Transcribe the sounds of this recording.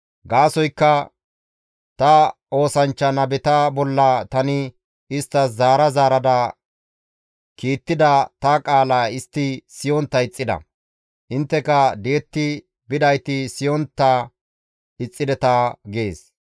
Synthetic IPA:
ɡaːsɔjkːɐ | t̪ɐʔo̞ːsɐnt͡ʃːɐnɐbɛt̪ɐbɔlːɐt̪ɐnɪ | ɪst̪ːɐszaːɾɐzaːɾɐd̪ɐ | kiːt̪ːɪd̪ɐt̪ɐkʼaːlaːɪst̪ːɪsɪjɔnt̪ːɐɪt͡sʼːɪd̪ɐ̰ | ʔɪnt̪ːɛkɐd̪ɛɛt̪ːɪ | bɪd̪ɐjt̪ɪsɪjɔnt̪ːɐ | ɪt͡sʼːɪd̪ɛt̪ɐɡeːs

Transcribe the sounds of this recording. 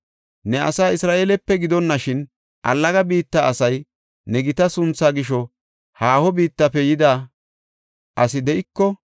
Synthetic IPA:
nɛɐ̰saːɪsɾaːʔeːlɛpːɛɡɪd̪ɔnːɐʃɪn | ʔɐ̰lːɐɡɐbiːt̪ːɐɐsɐj | nɛɡɪt̪ɐsʊnt͡sːaːɡɪʃ̬ɔ | haːhɔbiːt̪ːɐpːɛjɪd̪aː | ʔɐsɪd̪ɛʔɪkːɔ

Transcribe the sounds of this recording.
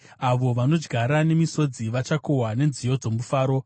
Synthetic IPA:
aʋo̞ʋano̞d͡ʒɡʱaɾane̞miso̞d͡ziʋat͡ʃakowane̞nzijo̞d͡zo̞mufaːɾo̞

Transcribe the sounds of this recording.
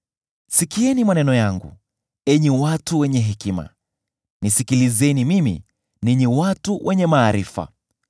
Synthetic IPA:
sikiɛnimanɛnɔjaŋɡṵ | ɛɲiwatuwɛɲɛɦɛkima̰ | nisikilizɛnimimḭ | niɲiwatuwʔɛɲɛmaːɾifa̰

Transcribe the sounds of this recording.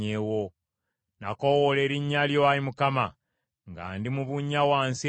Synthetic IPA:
ewo | nakowole̞ɾiɲːaljowaɾimukama | ŋɡa̰ːndimuβuɲːawaːnse

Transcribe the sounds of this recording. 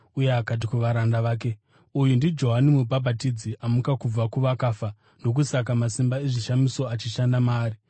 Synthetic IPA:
ujeakat̬ikuʋaɾandaʋaːk̬e̞ | ujundid͡ʒo̞ɦanimubʱabʱatid͡ziʔamukakub͡vakuʋakaːfa | no̞k̬usak̬amasimbaeʐiʃamiso̞at͡ʃiʃandamaːri

